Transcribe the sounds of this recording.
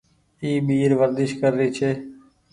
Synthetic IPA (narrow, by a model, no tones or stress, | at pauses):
iːɓiːɾʋəɾd̪ɪʃkəɾːiːt͡ʃʰeː